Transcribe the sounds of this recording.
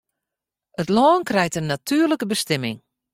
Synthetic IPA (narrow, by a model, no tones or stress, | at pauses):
ətlɔːnkrɛjtənːatʰyːrləkəbəstɪmɪ̰ŋ